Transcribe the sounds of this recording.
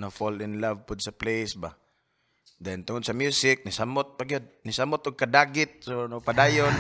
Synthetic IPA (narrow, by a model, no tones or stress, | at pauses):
nofɔlɪnlavpʊd̪saplejsba | d̪ɛnt̪ʊŋod̪̚samjusɪk̚nisamʊt̪̚paɡijod̪̚nisamʊt̪ʊɡ̚kad̪aːɡɪt̪̚sonopadaːjon